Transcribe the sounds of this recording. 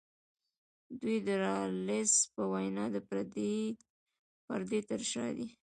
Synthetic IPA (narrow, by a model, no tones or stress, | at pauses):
d̪ujd̪əɾɑlɪspəwajnɑd̪ə | pa̰ɾd̪et̪əɾʃɑ̰d̪i